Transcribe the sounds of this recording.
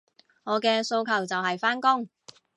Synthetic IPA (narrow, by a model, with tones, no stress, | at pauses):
ŋɔː˨˧kɛː˧so˧wkʰɐ˨˩wt͡sɐ˨wɦɐ˨jfaː˥nkʊ˥ŋ